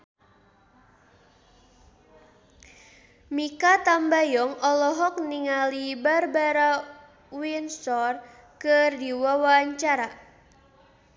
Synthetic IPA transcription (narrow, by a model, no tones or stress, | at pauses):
mikat̪ambajɔŋɔlɔɦɔk̚niŋalibarbaɾa | winsɔr | kɨrdiwawaɲt͡ʃaɾa